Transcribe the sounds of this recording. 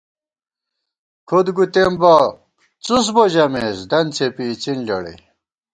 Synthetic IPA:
kʰod̪ɡut̪emba | t͡sus̬boʑɐmesd̪ɐnt͡sʰepit͡sinlɐ̰ɽḭ

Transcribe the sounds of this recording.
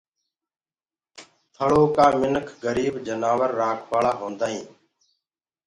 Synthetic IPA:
t̪ʰəɭoːkãːmɪnəkʰɡəɾiːbd͡ʒənaːʋəɾːaːkʰʋaːɭaːɦõːnd̪aːɦĩː

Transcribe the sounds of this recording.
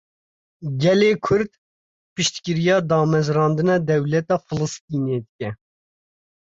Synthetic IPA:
ɡɛleːkʰʊɾd̪ | pɨʃt̪kɨɾijɑːd̪ɑːmɛzɾɑːnd̪ɨnɑːd̪ɛwlɛt̪ɑːfɨlɨst̪iːneːd̪ɨkʲɛ

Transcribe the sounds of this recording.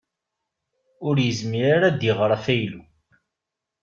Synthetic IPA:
ʊɾjəzmiɾaɾad̪iʁɾˤfæjlu

